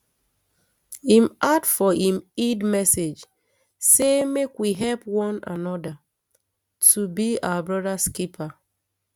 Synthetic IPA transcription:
imadfɔĩmidmɛsed͡ʒ | semekwiɦɛlpwɔ̃na̰nɔda | tʰubia̰wabɹɔdaskipʰa

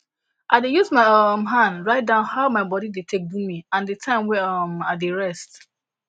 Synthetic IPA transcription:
ʔaɪdejuzmaɪɔmɦãndɹaɪt̚dãʊ̃nhaʊmaɪbɔɾidetʰek̚bumiãndətʰãɪ̃mwɛʌmadeɹɛst

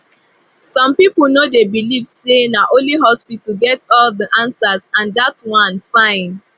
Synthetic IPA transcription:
sɔ̃mpipl̩ˠnodebilivsenaʔõliɦɔspitl̩ɡɛtɔldiʔãnsazãndatwãnfãɪ̃n

